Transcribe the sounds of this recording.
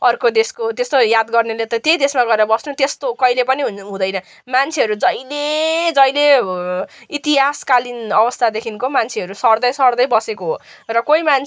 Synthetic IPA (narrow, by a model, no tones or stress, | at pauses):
ʌrkod̪eskot̪est̪ojad̪ɡʌrnelet̪ʌt̪jejd̪esmaɡʌeɾʌbʌsnut̪est̪okʌilepʌniɦunɦũd̪ʌjnʌ | mant͡sʰeʌɾud͡zʌjled͡zʌjle | it̪iɦaskalinʌbʌst̪ʰad̪ekʰinkomant͡sʰeɦʌɾusʌrd̪ʌjsʌrd̪ʌjbʌsekoɦorʌkoiman